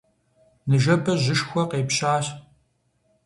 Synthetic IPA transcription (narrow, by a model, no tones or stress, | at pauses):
nɨʒɐpʰɐʑɪʃxʷɔqeːpɕaːɕ